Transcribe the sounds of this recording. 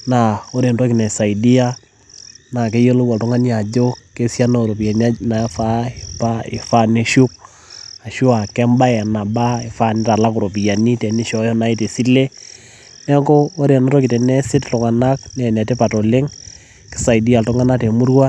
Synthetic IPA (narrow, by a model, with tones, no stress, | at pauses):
na˨o˦ɾe˨ntɔ˦kɪ˨nɛ˨sa˨i˨di˦a˦ | na˨ke˦je˦lo˦wɔ˨ltʊ˦ŋa˦nia˨d͡ʒo˦ke˦sja˦no˦˨ɾo˨pi˨a˨na˦na˨˦fa˦ɪ˨pa˦ɪ̰˨fa˦ne˦ʃu˦k̚ | a˨ʃu˦a˨kɛ˦mba˦ɛ˨na˨ba˦e˨fa˦˨ni˦ta˨la˦kʊ˨ɾo˨pi˨ja˨ni˦tɛ˨ni˦ʃɔ˨jɔ˦na˨˦i˨te˨si˦le˦ | nɛ˦ŋkɡoː˦ɾe˨nɔ˦to˦ki˨te˨nɛ˦sɪ˦ttʊ˨ŋa˨na˦knɛ˨nɛ˨te˦pa˨to˨le˦ŋ | kɪ̥˨˦sa˨i˨di˦a˨ltʊ˦ŋa˦na˦te˨mu˦ɾwa˦